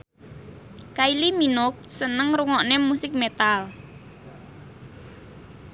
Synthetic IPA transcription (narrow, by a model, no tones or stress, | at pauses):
kailiminʊk̚sənəŋɾuŋɔʔnemusɪk̚met̪al